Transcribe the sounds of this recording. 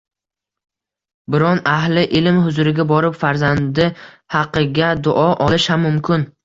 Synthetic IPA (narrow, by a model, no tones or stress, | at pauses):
bɪɾɒnahlɪʔɪlmhʊzʊɾɪɡʲabɒɾɪpfaɾzand̪ɪ | hɑqɨɡʲad̪ʊʔɒʔɒlˠɪʃhamːʊmkʰʲɪn